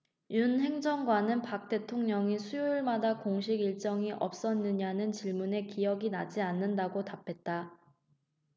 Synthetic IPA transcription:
junɦe̞ŋd͡ʑʌŋɡwanɯnpak̚t͈e̞tʰoŋɲʌŋisʰujoiɭmadakoŋɕ̬ʰiɡiɭt͡ɕ͈ʌŋiʔʌ̰p̚s͈ʌnːɯɲanɯnt͡ɕiɭmune̞kijʌɡinad͡ʑianːɯndaɡotapʰe̞t̚t͈a

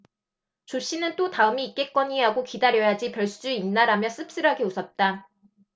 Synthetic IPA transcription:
t͡ɕoɕ͈inɯnt͈otaɯmiːk͈e̞k͈ʌɲiɦaɡokidaɾjʌjad͡ʑipjʌɭs͈ud͡ʑuinnaɾamjʌs͈ɯp̚s͈ɯɾɦaɡeusʰʌt̚t͈a

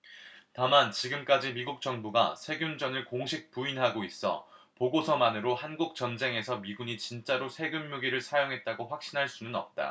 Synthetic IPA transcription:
tamant͡ɕiɡɯmk͈ad͡ʑimiɡuk̚t͡ɕ͈ʌŋbuɡa̰sʰe̞ɡjund͡ʑʌnɯɭkoŋɕʰik̚puinɦaɡois͈ʌ̰ | poɡosʰʌmanɯɾohanɡuk̚t͡ɕʌnd͡ʑe̞ŋe̞sʰʌmiɡuɲit͡ɕint͡ɕ͈aɾosʰe̞ɡjumːuɡiɾɯɭsʰajoŋɦe̞t̚t͈aɡoɸwak̚ɕ͈inɦaɭs͈unɯnʌp̚t͈a̰

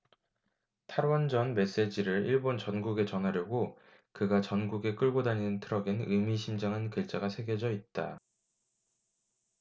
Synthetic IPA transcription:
tʰaɾwʌnd͡ʑʌnme̞s͈e̞d͡ʑiɾɯɾiɭbont͡ɕʌnɡuɡe̞t͡ɕʌnɦaɾjoɡo | kɯɡat͡ɕʌnɡuɡe̞k͈ɯɭɡodaɲinɯntʰɯɾʌɡinɯmiɕʰind͡ʑaŋɦɯnkɯɭt͡ɕ͈aɡasʰe̞ɡjʌd͡ʑʌit̚t͈a

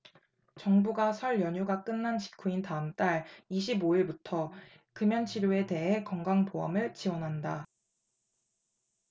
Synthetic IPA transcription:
t͡ɕʌŋbuɡasʰʌɭjʌɲuɡak͈ɯnːant͡ɕʰi̥kʰuintaɯmt͈aɭiɕ̬ʰiboiɭbutʰʌ | kɯmjʌnt͡ɕʰiɾjoe̞te̞ɦe̞kʌŋɡaŋpoʌmɯɭt͡ɕiwʌnɦanda

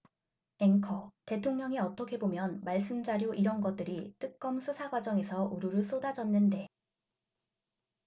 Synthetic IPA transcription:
eŋkʰʌte̞tʰoŋɲʌŋiʌt͈ʌkʰe̞bomjʌnmaɭs͈ɯmd͡ʑaɾjoʔiɾʌnɡʌt͈ɯɾit͈ɯk̚k͈ʌmsʰusʰaɡwad͡ʑʌŋe̞sʰʌʔuɾuɾɯɭs͈odad͡ʑʌnːɯnde̞

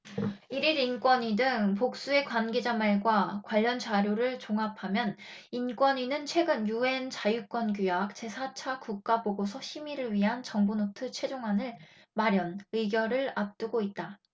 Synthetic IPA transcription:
iɾiɾink͈wʌɲidɯŋpok̚s͈ue̞kwanɡe̞d͡ʑamaɭɡwakwaʎːʌnt͡ɕaɾjoɾɯɭt͡ɕoŋɦapʰamjʌn | ink͈wʌɲinɯnt͡ɕʰwe̞ɡɯnjue̞nt͡ɕajuk͈wʌnɡjujak̚t͡ɕe̞sʰat͡ɕʰakuk̚k͈aboɡosʰʌɕʰimiɾɯɭɥiɦant͡ɕʌŋbunotʰɯt͡ɕʰwe̞d͡ʑoŋɦanɯɭ | maɾjʌnɯiɡjʌɾɯɭap̚t͈uɡoit̚t͈a

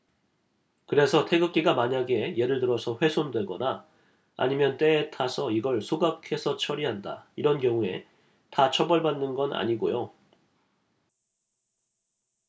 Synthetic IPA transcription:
kɯɾe̞sʰʌtʰe̞ɡɯk̚k͈iɡamaɲaɡe̞je̞ɾɯɭtɯɾʌsʰʌɸwe̞sʰondwe̞ɡʌna | a̰ɲimjʌnt͈e̞ːtʰasʰʌiɡʌɭsʰoɡakʰe̞sʰʌt͡ɕʰʌɾiɦanda̰iɾʌnkjʌŋue̞ | tat͡ɕʰʌbʌɭbanːɯnɡʌnʔa̰ɲiɡojo

